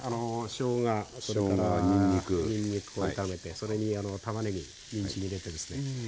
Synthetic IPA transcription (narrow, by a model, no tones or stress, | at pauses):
ano̞ɕo̞ːɡaso̞ɾe̞kaɾaɲĩɲːikɯɲĩɲːikɯ̥oit̪ame̞t̪eso̞ɾe̞ɲ̟iano̞t̪amaneɲḭ | ɲʲĩɲɕiɲʲiɾe̞t̪e̞d̪e̞sɨ̥ne